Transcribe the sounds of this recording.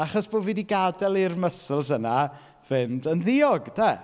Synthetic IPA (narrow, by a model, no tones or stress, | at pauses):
aχɔsb̥oːviːdiɡadɛlˠirməsəlˠsəna | vɨndənðɪɔɡdɛ